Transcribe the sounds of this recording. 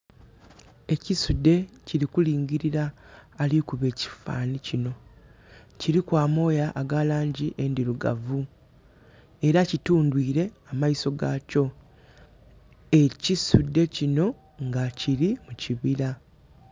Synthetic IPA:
e̞cisudːe̞ciɾikuliːɲɟiɾiɾaːlikuβe̞ːci̥fa̰ːnicino̞ | ciɾikwaːmo̞ːjaʔːɡalaːɲɟiʔendiluɡa̰vu | e̞ɾacituːndwiːɾe̞amaiso̞ɡaːco̞ | e̞cisudːe̞cino̞ | ŋɡaciɾimuciβiɾa

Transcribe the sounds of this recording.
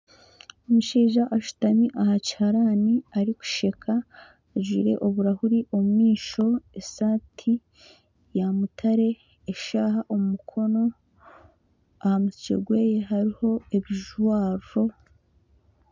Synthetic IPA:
omuʃiːʒaʔaʃu̥tamiʔahaci̥haɾaːniaɾiku̥ʃe̞kʰa | ʒwiɾe̞̰ʔoβuɾahuɾiʔomumiːʃo̞esaːtʰi | jamutʰaɾe̞ː | ʃaːɦaʔomumukʰo̞no̞ | ahamusit͡ʃḛɡwe̞ːjeɦaɾiho̞eβiʒuwaːɾuɾo̞

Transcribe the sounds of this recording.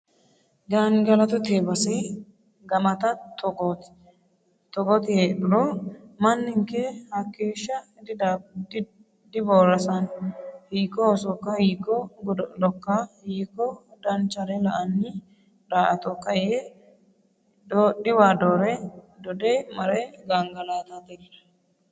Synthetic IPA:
ɡanɡɐlɐt̪ɔt̪eːbɐsɛ | ɡɐmɐt̪ɐt̪ɔɡot̪ | t̪ɔɡɔt̪ɪheːᶑɪɾomɐnːɪŋkɛhɐkːeːʃːɐ | d̪ɪdd̪ɪ | d̪ɪboːɾɐsɐnhiːkːɔosɔkːɐhiːkːɔɡlɔkːɐhiːkːɔd̪ɐnt͡ʃːɐɾɛlɐʔɐnːɪ | d̪aːʔɐt̪ɔkːɐje | d̪oːɗɪwaːd̪oːɾɛd̪ɔd̪ɛmɐɾɛɡaŋɡɐlaːt̪ɐd̪ɛlɐ

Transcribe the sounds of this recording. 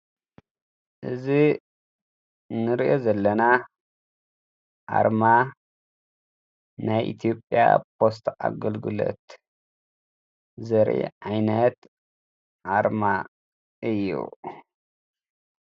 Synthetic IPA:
ʔɨzi | nɨɾiʔo̞zɐlːɐna | ʔa̰ɾma | najʔḭt̪ʰijopʼːja̰pʰo̞st̪ʔa̰ɡɐlɡɨlo̰t̪ | zɐɾʔḭʕajnɐt̪ | ʔaɾma | ʔɨjːṵ

